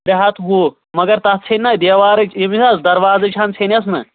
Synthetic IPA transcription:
ɾɐɦɐt̪ɦu | mɐɡɐɾt̪ɐt͡sʰɐnʲːɐd̪eːʋaːɾɐt͡ʃʰimisasd̪ɐɾʋaːzɐt͡ʃʰaːnt͡sʰɐnɐs̬mɐ̰

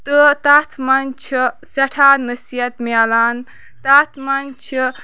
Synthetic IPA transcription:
t̪ɨt̪aːt̪ʰmɐnt͡ʃʰi | sɐʈʰaːnəsijɐt̪meɐlaːn | t̪at̪ʰmɐnʲt͡ʃʰ

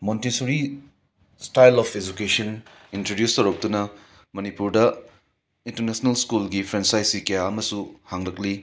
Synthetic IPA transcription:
montisuɾi | stajlɔpʰed͡ʒukesɐn | intɾodjustowɾɐk̚t̪unɐ | mɐnipuɾdɐ | intɐɾnesnɐlskulɡipʰɾensajsikejaɐmɐsuhaŋlɐk̚li

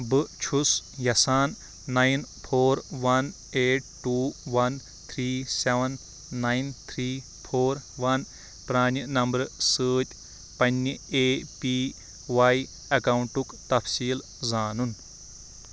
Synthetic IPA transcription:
bɨt͡ʃʰusjɐsaːnː | ajnpʰoːɾʋɐn | eːʈ̚ʈːuːʋɐn | t̪ʰɾiːseʋɐnː | ajnt̪ʰɾiː | pʰoːɾʋɐn | pɾaːnjənɐmbɐɾsəːtʲ | pɐnːəeːpiː | ʋaj | ɐkawuɳʈukt̪ɐpʰsiːl | zaːnun

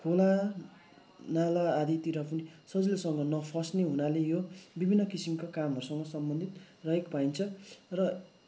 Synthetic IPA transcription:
kʰola | nalaːd̪ʱit̪iɾʌpunisʌd͡zilsʌŋɡʌnʌpʰʌsneɦunalejobibʱinːʌkisimkakamɦʌɾusʌŋɡʌsʌmbʌnd̪ʱit̪ | rʌɦekpajnt͡sʰʌrʌ

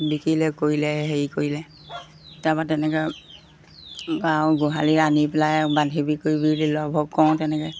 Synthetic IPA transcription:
bikilɛkoɹilɛɦeɹikoɹilɛ | tabatɛnɛkɛ | kaw̃ɡoɦalianipɛlajbandʱibikoɹibililɔbʱɔkkːɔw̃tɛnɛkɛ

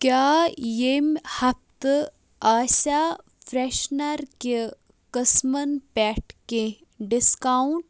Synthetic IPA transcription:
kʲjaːjemhɐp̚t̪ | aːsaː | fɾeʃnɐɾke | kəsmɐnpɛːʈkẽ | ɖiskaːuɳʈ

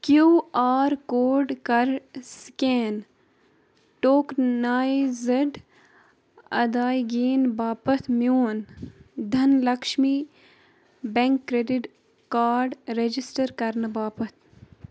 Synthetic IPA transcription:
kjuːaːɾkoːɾɖkɐɾskeːn | ʈoːknaːjzɐɖ | ɐ̰d̪aːjɡiːnbaːpɐt̪ʰmijoːnd̪ʱɐnlɐkʃmi | bẽŋkːɾeɖiʈ | kaːɾɾɖɾed͡ʒisʈəɾkɐɾnbaːpɐt̪ʰ

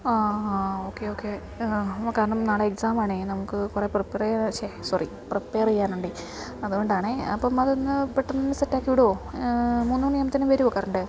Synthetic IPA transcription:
aːoːkːeo̞ːkːe | kaːɾɐɳɐmnaːɭeeksaːmaːɳenɐmukːɨkure̞ːprɨpːeːriɕesɐrḭ | prɨpːeːrijaːnuɳɖi | ɐðuɣo̞ɳɖaːɳeɐ̰pːɐːmɐðnːɨpeʈːɐnɐnːɨsɐtːaːkːiʋiɽuoːmuːnːunimɐt̪ːinːɨʋɐɾuokːaːɾɐɳɐɳɖɨ

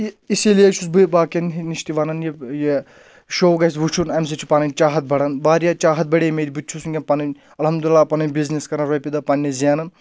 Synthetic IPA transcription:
isiljet͡ʃʰusbɨbaːkʲenɦiniʃt̪iʋɐnɐnjeje | ʃoːɡɐs̬ʋut͡ʃʰunɐmsit͡ʃʰi̥panɐnʲt͡ʃaːɦɐt̪̚bɐɽɐnbaːɾijat͡ʃaːɦɐt̪̚bɐɽʲemed̪ʲibit̪ʲːt͡ʃʰusunɡʲɐnpanɐn | ɐlhɐmd̪ulilːaːpɐnɐnʲbizneskɐɾɐnɾɐpid̪ɐpɐnʲːizijanɐn

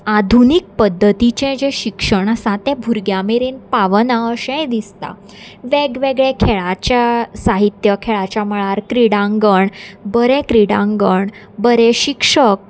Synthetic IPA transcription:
ad̪ʱunik̚pəd̪ʱːət̪it͡ɕɛ̃d͡ʑẽɕikʂəɳəsãt̪ɛ̃bʱuɾɡjameɾenpaʋnaəɕɛ̃d̪ist̪a̰ | ʋeɡʋeɡɭẽkʰeɭat͡ɕjasaɦit̪jəkʰeɭat͡ɕjaməɭaɾkɾiɽãŋɡəɳbəɾɛ̃kɾiɽãŋɡəɳ | bəɾɛɕikʂək̚

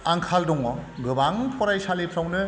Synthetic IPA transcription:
aŋkʰaldɔŋɔɡɯbaŋpʰɔɾajsalepʰɾawnɯ

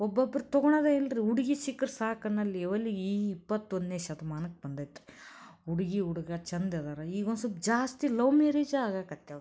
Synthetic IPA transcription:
ɔbːɐbːɐɾt̪ɔɡɔɳɐd̪eilɾiuɽiɡisikːɐɾsaːkɐnːɐlːiɛʋɐlːiiːipːɐt̪ːonneːʃɐd̪ɐmaːnɐkːbɐnd̪ajt̪ɾiuɽiɡiuɽuɡɐt͡ʃɐnd̪ɐd̪ɐɾɐiːɡonsubd͡ʒaːst̪ilɐwmeːɾeːd͡ʒaːɡaːkɐt̪ːeɾ

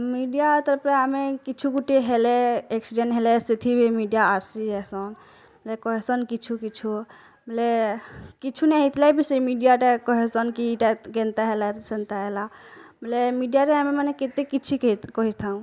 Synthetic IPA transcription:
miɖijat̪əɾpɾeamekit͡ʃʰuɡuʈeɦeleeksiɖẽnʈɦelesit̪ʰibʱimiɖijaasiesɔn | məlekɔɦesɔnkit͡ʃʰukit͡ʃʰu | məlekit͡ʃʰuneɦit̪ʰlabiseimiɖijaʈekɔɦesɔnkiʈaɡent̪aɦelasent̪aɦela | məlemiɖijaɾeɦamemaneket̪ekit͡ʃʰikikɔɦit̪ʰaũ

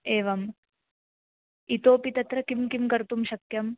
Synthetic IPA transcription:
eːʋɐm | it̪oːpit̪ɐt̪ɾɐkimkimkɐɾt̪umʃɐkjɐm

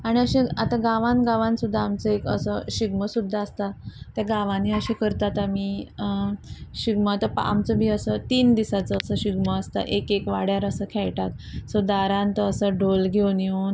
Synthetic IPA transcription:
aɽ̃iəɕĩat̪ãɡaʋãnɡaʋãnsud̪ʱːaːmt͡səekə̰səɕiɡməsud̪ʱːaːst̪at̪jaɡaʋaniəɕĩkəɾt̪at̪amiː | ɕiɡmət̪əpa̰mt͡səbʱiːəsət̪iːnd̪isat͡səːsəɕiɡməast̪a̰ʔekekʋaɽjaɾəsəkʰɛɭʈat̪sod̪aɾãnt̪əːsəɖʱolɡʱewnjon

